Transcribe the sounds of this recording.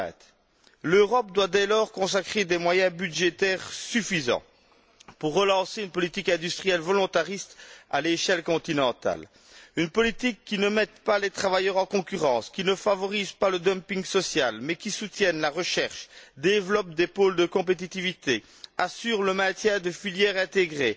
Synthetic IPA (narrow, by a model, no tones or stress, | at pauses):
løʁɔp̚d̪wad̪ɛlɔʁkɔ̃sakχed̪emwajɛ̃byd̪ʒet̪ɛʁsyfizɑ̰̃ | puʁːəlɑ̃seynpɔlit̪ikɛ̃d̪yst̪χijɛlvɔlɔ̃t̪aʁist̪a̰leʃɛlkɔ̃t̪inɑ̃t̪a̰l | ynpɔlit̪ikːinəmɛt̪palet̪χavajœʁɑ̃kɔ̃kʲyʁɑ̃skʲinəfavɔʁizpaləd̪əmpiŋɡsɔsjalmɛkʲisut̪jɛnlaʁəʃɛʁʃd̪evlɔp̚d̪epold̪əkɔ̃p̬et̪̬it̪ivit̪e | asyʁləmɛ̃t̪jɛ̃d̪əfiljɛʁɛ̃t̪eɡʁe